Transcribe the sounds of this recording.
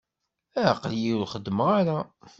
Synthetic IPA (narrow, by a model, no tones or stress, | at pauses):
æqːəljiwlχəd̪ːməʁaɾa